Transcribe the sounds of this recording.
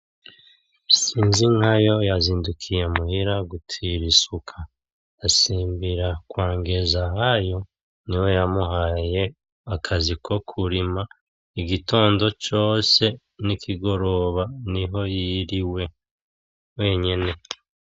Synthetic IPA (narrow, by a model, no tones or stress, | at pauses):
siːnziŋ̥hajo̞jaziːndukʰije̞muhiɾaɡutʰiɾisukʰa | asiːmbiɾakwaːŋɡezaɦajo̞ | niwo̞jamuɦaje̞ | akʰazikʰo̞kʰuɾima | iɡito̞ːndo̞t͡ʃo̞ːse̞ | nikʰiɡo̞ɾo̞βaniɦo̞jiɾiwe̞ | we̞ːɲene̞